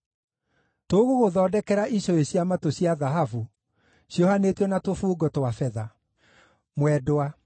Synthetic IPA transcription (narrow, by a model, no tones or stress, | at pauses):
toɣoɣoðɔːdɛkɛɾaʔiɕɔeɕjamatoɕjaðaɦavu | ɕjɔhanetɔnatofuːɡɔtwafɛða | mwɛdoa